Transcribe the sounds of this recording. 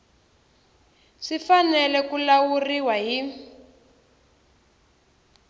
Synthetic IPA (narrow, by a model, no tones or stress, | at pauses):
ʂifanɛlɛkulawuriwaɦi